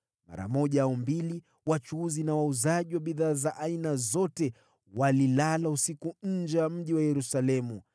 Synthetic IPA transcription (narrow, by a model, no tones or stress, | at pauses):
ma̰ɾa̰mɔʄaaumbili | wat͡ʃuuzinawauzaʄiwaɓiðaːzaʔainazɔtɛ | walilalausikuɲ̩d͡ʒɛwam̩ʄiwajɛɾusalɛmu